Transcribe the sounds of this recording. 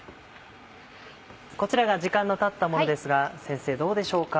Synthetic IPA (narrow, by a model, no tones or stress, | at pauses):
ko̞t͡ɕiɾaɡaʑikãnːo̞t̪at̪ːamo̞nod̪e̞sɨɡasẽɰ̃se̞ːd̪o̞ːd̪e̞ɕo̞ːka